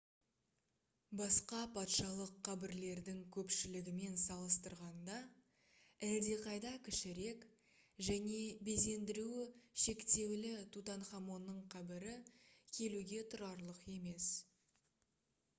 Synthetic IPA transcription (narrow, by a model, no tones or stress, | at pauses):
bɑsqɑpʰɑt̪ʃɑlˠəqʰːɑbɪɾle̞ɾd̪ɪŋkʲʰɵpʃɪlɪɡʲɪme̞nsɑlˠəst̪əɾʁɑnd̪ɑ | æld̪e̞qʰɑjd̪ɑkʲʰɪʃɪɾe̞k | ʒæne̞be̞ze̞nd̪ɪɾuɪʃe̞kt̪e̞wlɪt̪ʰut̪ɑnχɑmo̞nːəɴqʰɑbɪɾɪkʲʰe̞luɡʲe̞t̪ʰʊɾɑɾlˠəqe̞me̞s